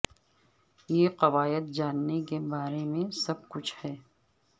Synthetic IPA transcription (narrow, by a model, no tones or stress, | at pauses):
jeːqɐʋaːjət̪̚d͡ʒaːnːekebaːɾemẽsɐb̚kʊt͡ʃʰhɛː